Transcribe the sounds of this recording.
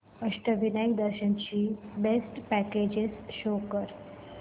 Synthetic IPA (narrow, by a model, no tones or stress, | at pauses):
əʂʈəʋinajkd̪əɾʃənt͡ɕiːbesʈpæked͡ʑɪsʃokəɾ